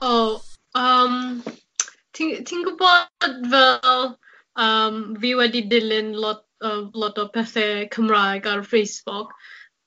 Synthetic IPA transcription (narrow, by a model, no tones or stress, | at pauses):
o | ʌm | t̪ʰɪ̃ŋt̪ʰɪ̃ŋkəbɔt̚vɛl | ʌmviwɛdidɪlɪ̃nlɔt̚əlɔtɔvpʰɛsɛkʰə̃mɹakaɹfesbɔk